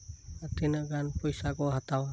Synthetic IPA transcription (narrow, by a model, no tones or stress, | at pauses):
at̪inəʔɡanpɔjsakɔɦat̪awa